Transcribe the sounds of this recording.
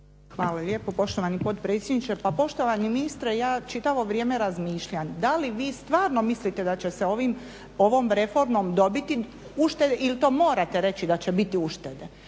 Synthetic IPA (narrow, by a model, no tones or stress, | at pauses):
xʋaːlaʎʲeːpo̞po̞ʃt̪oʋanipo̞t̪pɾe̞ːt̪sʲjed̪nit͡ʃepapo̞ʃt̪o̞ʋaniminist̪ɾejaːt͡ʃit̪aʋo̞ʋɾje̞ːmeɾazmiːʃʎand̪aliʋiːst̪ʋaːɾno̞mislit̪ed̪at͡ɕe̞seo̞ʋim | o̞ʋo̞ːmɾe̞fo̞ɾmo̞md̪o̞bit̪i | uʃt̪e̞d̪eʔilt̪o̞ːmo̞ːɾat̪eɾe̞t͡ɕid̪at͡ɕebit̪iuʃt̪ed̪e